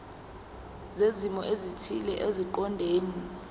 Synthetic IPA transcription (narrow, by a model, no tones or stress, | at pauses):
zezimɔʔezitʰilɛʔeziǃɔndʱeːni